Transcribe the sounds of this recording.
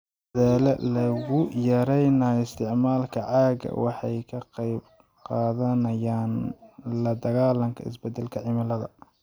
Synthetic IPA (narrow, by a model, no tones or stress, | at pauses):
ɐðaːlɛlɐɣʊjɐɾɛjnaɪst̪ʰɪʕmaːlkʰɐʕɑːɣɐ̰wɑħɑjkʰɐqɑjb | qɑːðɐnɐjaːnlɐd̪ɐɣaːlɐŋkʰɐɪ̰sbɛd̪ːɛlkʰɐʕɪmɐlɐðɐ̰